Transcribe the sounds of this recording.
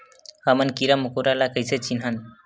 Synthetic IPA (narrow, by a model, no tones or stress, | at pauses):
hamɐnkiɾamukuɾalakəjset͡ʃinɦan